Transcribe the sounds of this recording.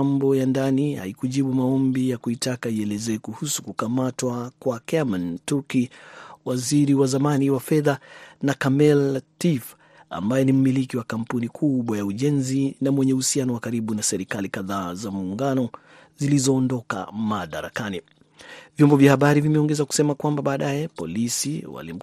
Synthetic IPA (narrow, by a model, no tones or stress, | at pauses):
mbɔjandaniha̰ikuʄiɓumaɔmbijakuitakaiɛlɛzɛːkuhusu̥kukamatwakwakɛmantukiwaziɾiwazamaniwafɛðanakamɛltif | a̰mbajɛnim̩milikiwakam̩punikʰuɓwajauʄɛnzinamwɛɲɛuhusianɔwakaɾiɓunasɛɾikalikaðaːzamuːŋɡanɔ | zilizɔːndɔka̰maɗaɾa̰kani | vjɔmbɔvjahaɓaɾivimɛɔŋɡɛzaku̥sɛmakwambaɓaːɗajɛpɔ̰lisiwa̰lḭm̩